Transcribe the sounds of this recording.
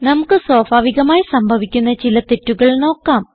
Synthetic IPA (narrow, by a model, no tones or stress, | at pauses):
nɐmukːɨsoːbʱaːʋiɣɐmaːjisɐmbʱɐʋikʲːunːɐt͡ɕilɐt̪e̞tːuɣɐɭno̞ːkːaːm